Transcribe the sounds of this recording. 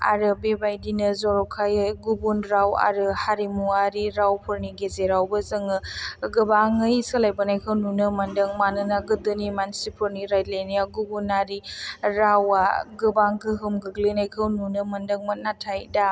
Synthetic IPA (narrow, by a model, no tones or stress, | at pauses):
a̰ɾɯbebajdinɯzɔɾɔkʰajɯɡubunɾawa̰ɾɯhaɾimuaɾiɾawpʰuɾniɡezeɾawbɐzɯŋɯɡɯbaŋɯjsɯlajbɐnajkʰɯwnunɯmɐndɐŋmanɯnaɡɯdɯnimansipʰɔɾniɾajlenijaɡubunaɾiɾawaɡɯbaŋɡʰɯɦɯmɡɯɡlinajkʰɐwnunɯmɐndɐŋmɐnatʰajda